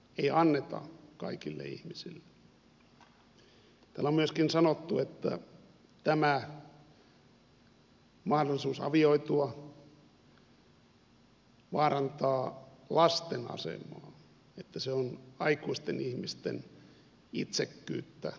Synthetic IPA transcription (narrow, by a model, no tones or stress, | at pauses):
eiɑnːet̪ɑ̰kɑ̰ikilːḛḭhmisilːe | t̪æːlːommyøskinsɑnot̪ːuet̪ːæ̰ | t̪æmæ | mɑhdolːˑisuːsɑ̰ʋioit̪uɑ | ʋɑːrɑnt̪ɑːlɑst̪enɑ̰sḛmɑː | et̪ːæseonɑikuist̪enihmist̪ḛn | it̪sekːyːt̪ːæ